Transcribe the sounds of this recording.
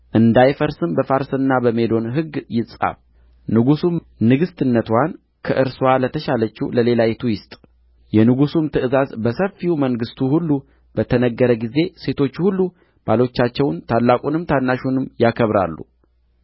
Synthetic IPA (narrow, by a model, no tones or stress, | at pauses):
ʔɨnd̪ajfəɾsɨmbəfaɾsɨnːabəme̞lo̞nɦɨɡjɪsʼa̰ | nɨɡusum | nɨɡɨst̪ʰɨnːət̪wan | kʰəʔɨɾswalət̪ʰəʃalət͡ʃːuləle̞lajet̪ʰujɪst̪ʼ | jɛnɨɡusumt̪ʰɨʔɨzazbəsəfːiuməŋɡɨst̪ʰuhulːu | b̥ət̪ʰənəɡːəɾəɡize̞se̞t̪ʰo̞t͡ʃːhulːu | b̥alo̞t͡ʃːat͡ʃːɛwnt̪ʰalːakʼunɨmt̪ʰanːaʃunɨmjakʰəβɾa̰lːṵ